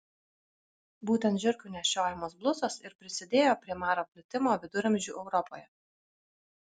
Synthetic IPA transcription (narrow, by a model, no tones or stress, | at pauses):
buːt̪ʲɛnt̪ʒʲʊɾʲkʲunʲɛʃʲoːjɛmoːsblˠʊsosɪɾpʲɾʲɪsʲɪd̪ʲeːjoːpʲɾʲiɛmɑːɾoːpʲlʲɪt̪ʲɪmoːʋʲɪd̪ʊɾɐmʲʒʲuːʔɛʊɾɔpoːjɛ